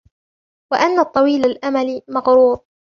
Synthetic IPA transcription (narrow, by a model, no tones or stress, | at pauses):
waʔanːat̪ˤːɑwiːlalʔamalimɑɣɾuːɾ